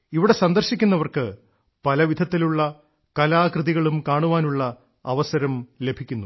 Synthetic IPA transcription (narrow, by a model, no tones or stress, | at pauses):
iʋiɽe̞sɐnd̪ɐrɕikʲːunːɐʋɐrkɨ | pɐlɐʋid̪ʱɐt̪ːiluɭːɐ | kɐlaːkrɨðiɣɐɭumkaːɳuʋaːnuɭːɐ | ɐʋɐsɐɾɐmle̞bʱikʲːunːu